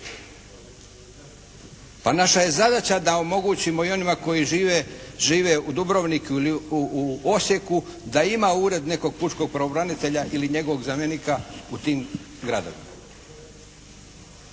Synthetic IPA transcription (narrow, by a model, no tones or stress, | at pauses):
panaʃaje̞zad̪at͡ɕad̪ao̞mo̞ɡuːt͡ɕimo̞io̞nimako̞jiʒiʋeʒiːʋe̞ud̪ubɾo̞ʋnikliuuo̞sje̞kud̪aimauːɾe̞d̪ne̞ko̞ɡ̚put͡ʃko̞ɡ̚pɾeobɾanit̪eʎaʔiliɲe̞ɡoʋo̞ɡzamjenikaut̪iːm | ɡɾad̪o̞̰ʋḭma